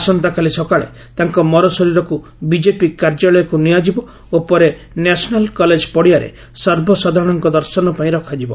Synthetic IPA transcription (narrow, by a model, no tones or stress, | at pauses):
asɔnt̪akalisɔkaɭḛ | t̪aŋkɔmɔɾɔsɔɾiɾɔku | bid͡ʒepikaɾd͡ʒɔlɔjɔkuniad͡ʒibɔ | opɔɾe | nasɔnalkɔled͡ʒpɔɽiaɾḛ | sɔɾbʱɔsɔd̪ʱaɾɔɽ̃ɔŋkɔd̪ɔɾsɔnɔpaĩɾɔkʰad͡ʒibɔ